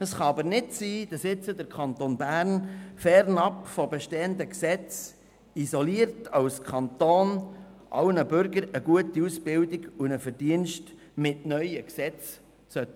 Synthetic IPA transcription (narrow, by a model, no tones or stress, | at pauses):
əsχɑɑbəɾnɪtsiːd̥ɑsɪt͡sədəɾkʰχɑnt̪onbæːɾnfɛɾnɑpfɔbeʃteːənd̪əksɛt͡s | izoliəɾtʰɑwskʰɑnt̪oːnʔɑ̰wnəbʏɾɡəɾəɡuətiusbɪwdiɡunəfəɾdiənʃt | mɪtnœʏəksɛt͡s | sœt̪ːə̥